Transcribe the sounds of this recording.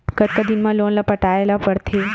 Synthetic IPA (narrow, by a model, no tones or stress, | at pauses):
kət̪kəd̪inmalonlapəʈaelapəɾt̪ʰe